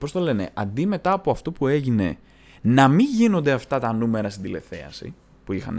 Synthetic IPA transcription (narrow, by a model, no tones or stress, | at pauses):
po̞st̪o̞le̞ne̞̰ʔɐnd̪ime̞t̪ɐːpo̞ɐft̪o̞pue̞ʝine̞̰ | nɐmiɲʝino̞nd̪e̞ɐft̪ɐt̪ɐnume̞ɾɐst̪ind̪ile̞̰θe̞̰ɐ̰sḭ | puixɐ̰n